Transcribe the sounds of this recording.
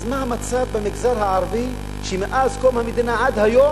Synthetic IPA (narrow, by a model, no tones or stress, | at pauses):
zmahamat͡savbemiɡzaɾhaʕaɾvi | ʃemeʔazkomhamid̪inaʕad̪hajo